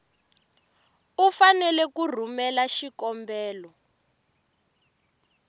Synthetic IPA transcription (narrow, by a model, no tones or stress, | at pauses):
ufanɛlɛkur̤umɛlaʃikɔmbɛːlɔ